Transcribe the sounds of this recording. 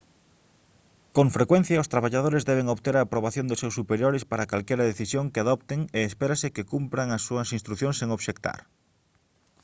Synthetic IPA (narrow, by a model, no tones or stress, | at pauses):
koɱfɾekwẽn̟θjɐʊst̪ɾaβaʎað̞oɾɪzðɛβeŋoβt̪eɾaːpɾoβaθjõnd̪ʊsewsupeɾjoɾɪspaɾakalkɛɾɐðeθisjoŋkeaðɔpt̪eŋeːspeɾasɪkekumpɾaŋɐsːuɐsinst̪ɾuθjõŋseŋoβʃekt̪a̰ɾ